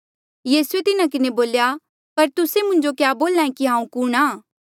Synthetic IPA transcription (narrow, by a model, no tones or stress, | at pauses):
jiːsuet̪ɪnãkɪneboːlja | pɐɾt̪ʊsemʊ̃ɲd͡ʒokjaːboːlãːẽkiɦãːũkuɽ̃ãː